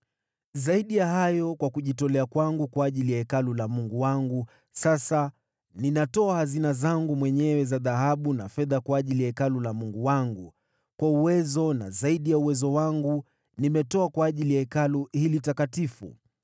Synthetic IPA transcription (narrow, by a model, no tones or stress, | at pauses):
zaiɗijahajɔkwakuʄitɔlɛakwaŋɡukwaːʄilijaikalulamuŋɡuwaŋɡu | sasa | ninatɔahazinazaŋɡumwɛɲɛwɛzaðaɦaɓunafɛðakwaːʄilijaikalulamuŋɡuwaŋɡu | kwauwɛzɔna̰zaiɗijauwɛzɔwaŋɡu | nimɛtɔakwaːʄilijaikaluhilitakatifṵ